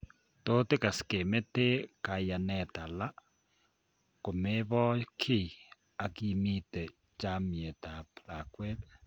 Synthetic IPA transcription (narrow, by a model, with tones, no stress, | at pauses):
to˦te˦ka˨si̥˨ke˨me˦te˦ka˨ja˨nɛ˨ta˨la˦ | ko˨me˦βɔ˦kʰi˦˨ | a˨ki˦mi˦te˨ | t͡ʃa˦mje˨ta˨pla˨kwe˦t